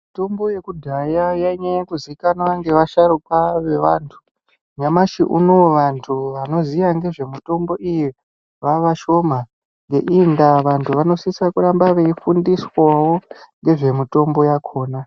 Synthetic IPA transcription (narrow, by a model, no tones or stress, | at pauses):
muto̞mbo̞je̞kudʱajajaiɲajakuziikanaŋɡe̞ʋaʃaɾukwaʋe̞ʋaːntʰu̥ | ɲamaʃḭʔṵno̞ʋantʰuʋano̞zijaŋɡe̞ʐe̞muto̞mbo̞ʔiji | ʋaʋaʃo̞ma | ŋɡe̞̰ʔindaʋantʰuʋano̞sisakuɾambaʋeifundiswawo̞ŋɡe̞ʐe̞mito̞mbo̞jakʰo̞ːna